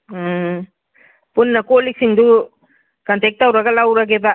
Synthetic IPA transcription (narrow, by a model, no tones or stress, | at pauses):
punːɐkoːliksiŋd̪u | kɐnt̪ek̚ʈɐwɾɐɡɐlawɾaɡeba